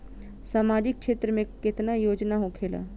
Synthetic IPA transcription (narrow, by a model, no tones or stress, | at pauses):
saːmaːd͡ʒɪkkʃeːt̪ɾəmẽkɪt̪najoːd͡ʒnaɦokʰeːla̰ː